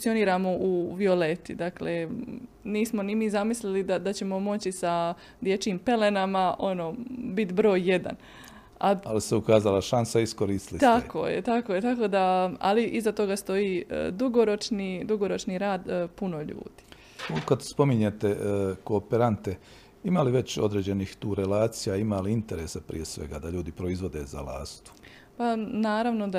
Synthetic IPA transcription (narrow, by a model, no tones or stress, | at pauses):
fukt̪io̞niːɾamo̞ʔuʋio̞let̪id̪akle | niːsmo̞nimizamislilid̪ad̪at͡ɕe̞mo̞mo̞t͡ɕisa | d̪je̞t͡ʃiːmpe̞le̞namaʔo̞no̞bit̪bɾo̞ːjje̞d̪a̰n | a̰aliseukaːzalaʃansaiskoɾist̪lit̪ako̰jet̪ako̞ːjet̪ako̞ːd̪aa̰liʔizat̪o̞ɡast̪o̞jiːd̪uɡoɾo̞t͡ʃnid̪uɡo̞ɾo̞t͡ʃniɾaːd̪puno̞ʎṵːd̪̥i̥ | ukad̪spo̞miɲet̪ekoːpeɾant̪e | imaliʋe̞t͡ɕod̪ɾeːd͡ʑe̞niːxt̪uːɾelaːt̪sijaimaliint̪eɾeːsapɾḭje̞sʋe̞̰ɡa̰d̪aʎuːd̪ipɾo̞izʋo̞d̪e̞za̰la̰ːst̪u̥ | panaːɾaʋno̞d̪a